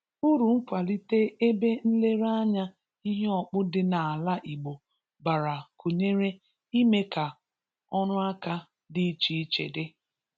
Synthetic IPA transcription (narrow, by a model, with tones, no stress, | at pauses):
u˦ɾu˨ŋ͡m̩˦kʷa˨li˦te˦e˦be˦n̩˦le˦ɾa˦ɲa˦ | i˦ɦe˦ɔ˨k͡pʊ˦dɪ˦na˨a˨la˦ʔi˨ɡ͡bo˨ | ba˨ɾa˨ko˨ɲe˦ɾe˦ | i˦me˦ka˨ | ɔ˦nʊ˦a˦ka˦ | dɪ˦t͡ʃi˦t͡ʃḛ˨de˦